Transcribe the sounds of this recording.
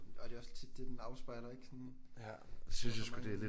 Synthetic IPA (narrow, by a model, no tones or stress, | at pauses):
ɒ̽d̥e̝ɒ̽st͡sʰid̥ːe̝d̥enɑ̈ʊsb̥ɑ̈ɪ̰lɐe̝ɡ̥sɔn | synsjasɡ̥ud̥e̝æle